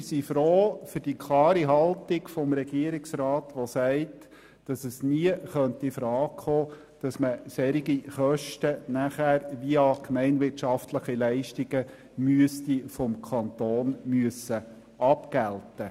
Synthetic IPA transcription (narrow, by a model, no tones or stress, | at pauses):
sifɾoːfʏɾd̥ikʰlɑːɾiɦɑltɪkfɔmɾɛɡiəɾiksɾɑːtʋɔsɛɪt | d̥ɑsəsniəχœntifɾɑːkχoː | d̥ɑsməsɛɾiɡiχœʃtənæχæːɾʋiəɑkmɛɪnʋɪtʃɑft̪ləχilɛɪʃtiɡ̥ə | myəstifɔmkʰɑnt̪oːnmyəsːə | ʔɑpkæltə